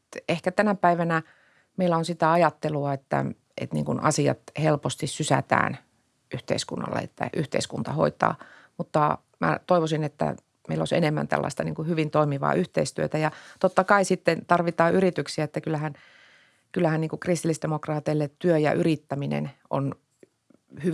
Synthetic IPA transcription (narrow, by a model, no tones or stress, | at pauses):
ehkæt̪ænæpæiʋænæ | meilːˑæonsit̪æɑjɑt̪ːeluɑet̪ːæ̰ | ḛt̪nḭŋkunɑsiɑ̰t̪helpost̪issysæ̰t̪æ̰ːn | ʔyht̪ḛiskunːɑ̰lːḛḛt̪ːæ̰ʔyht̪ḛiskunt̪ɑho̰it̪ɑ̰ː | mut̪ːɑ | mæ̰t̪oiʋosinet̪ːæ̰ | meilo̰senemːæ̰nt̪æ̰lːɑ̰ist̪ɑnḭːŋkuhyʋint̪oimiʋɑ̰ːʔyht̪eist̪yøt̪æjɑt̪ot̪ːɑkɑisit̪ːent̪ɑrʋit̪ɑːʔyrit̪yksiæet̪ːækylːæhæn | kylːæhænniːŋkukrist̪ilːisd̥emokrɑːt̪eilːet̪tyøjɑ̰ʔyrit̪ːæminḛno̰n | hy